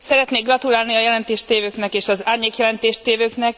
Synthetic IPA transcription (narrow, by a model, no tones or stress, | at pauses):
sɛɾɛt̪neːɡrɒt̪ulaːlniɒjɛlɛnt̪eːʃt̪eːvøːknɛkeːʃɒzaːrɲeːkjɛlɛnt̪eːʃt̪eːvøːknɛk̚